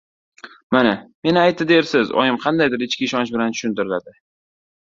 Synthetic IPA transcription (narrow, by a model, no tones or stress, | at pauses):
maname̞nɪajt̪ːɪd̪eɾsɪzɒ̰jɪmqʰɑnd̪ajd̪ɪɾɪt͡ʃkʲɪːʃɒnt͡ʃbɪlant̪ʰʊ̥ʃʊnt̪ɪɾɪlad̪ɪ